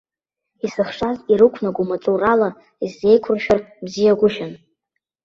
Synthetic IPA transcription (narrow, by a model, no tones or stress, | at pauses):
isɨχʂaziɾɨkʷʰnaɡʷumat͡sʼurala | izːe̞jkʷʰʊrʃᶣarbzijaɡʷʊʃᶣan